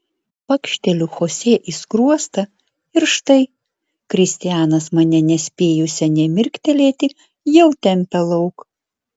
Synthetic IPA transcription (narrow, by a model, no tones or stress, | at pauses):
pɐkʃʲt̪ʲɛlʲuxoːsʲeːʔiskɾuɔst̪ɐ | ɪɾʃt̪ɐɪ | kɾʲɪsʲt̪ʲɪjæːnɐsmɐnʲɛnʲɛsʲpʲeːjʊsʲɛnʲɛmʲɪɾʲkt̪ʲɛlʲeːt̪ʲɪ | jɛʊt̪ʲɛmʲpʲɛlˠɐʊk